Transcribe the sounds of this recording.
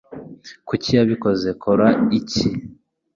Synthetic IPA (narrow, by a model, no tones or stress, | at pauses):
kucijaβiko̞ze̞kʰoɾaici